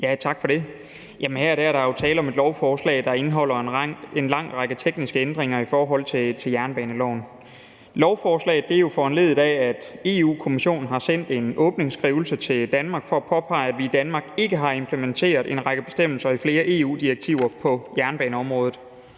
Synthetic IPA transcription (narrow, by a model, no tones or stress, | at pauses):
jæt͡sʰɑ̈ɡ̥fɒ̽ɾ̥e̝ | jæmənhæɐ̰ɾ̥æɐ̰ɾɑjo̝t͡sʰɛːləɒ̽me̝d̥lɒʊfɒːslɛ̰ɪd̥ɑ̈e̝nɦɒ̽l̰ɐe̝nlɑ̈ŋ̰ʁɑ̈ɡ̥ət͡sʰeɡ̥nisɡ̥əend̥ʁeŋ̰ɐifɒːɦɒ̽l̰t͡sʰe̝t͡sʰe̝ljæɐnb̥ɛːnəlɒʊn | lɒʊfɒːslɛ̰ːɪð̩ˠd̥e̝ɐjo̝fɒːænle̝ð̞̩ˠdˠɛæd̥e̝ːṵːkʰo̝miɕo̝̰ːnn̩ɦɑ̈sen̰d̥e̝nɔːb̥ne̝ŋsɡ̥ʁiːʊl̩sət͡sʰe̝ld̥ænmɑ̈ɡ̥fɒ̽æpʰɒ̽pʰɑ̈ɪ̰ædʋiːd̥ænmɑ̈ːɡ̥e̝ɡ̥əɦɑ̈e̝mpʰləment͡sʰe̝̰ːɐðˠe̝nʁɑ̈ɡ̥əb̥e̝sd̥em̰l̩sɐifle̝ːɐʔe̝ṵːd̥ieɡ̥̚t͡sʰiʊ̰ɐpʰɒ̽jæɐnb̥ɛːnəɒ̽mʁɔ̽ːðˠð̩ˠ